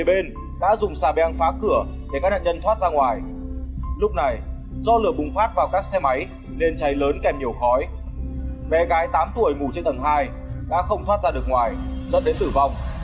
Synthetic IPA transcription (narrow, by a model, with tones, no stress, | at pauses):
ɓe˧n | ɗa̰ː˧˥zʊ˨˩ŋ͡msaː˧˩ɓɛ˨˧a˧ŋfaː˨˦˥p̚kɨ˧˩ə | ɗe˧˩ka˦˥k̚na̰ː˧˨ɲə˧nt̪waː˦˥t̚zaː˧ŋwaː˨˩j | lʊ˦˥k͡p̚na˨˩j | zɔ˧lɨ˨˩əɓʊ˨˩ŋ͡mfaː˦˥t̚vaː˨˩wkaː˦˥k̚sɛ˧ma˨˦j | ne˧nt͡ɕa˨˦jləː˨˦nkɛ˨˩m̚ɲi˨˩əwxɔ˨˦j | ɓɛ˨˦ɣaː˨˦jt̪aː˨˦mt̪u˧˩əjmu˧˩t͡ɕe˧nt̪ə˨˩ŋɦaː˧j | ɗa̰ː˧˥xə˧wŋ͡mt̪ʰwaː˦˥t̚zaː˧ɗɨ˨˩ək̚ŋwaː˨˩jzə̰˧˥nɗe˨˦nt̪ɨ˧˨˩va˧wŋ͡m